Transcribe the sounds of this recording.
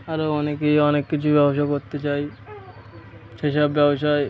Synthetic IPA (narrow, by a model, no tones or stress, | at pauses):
aɾoɔnekeɔnekːit͡ɕʰubɛboʃ̬akoɾt̪et͡ɕaj | ʃeʃabːɛboʃae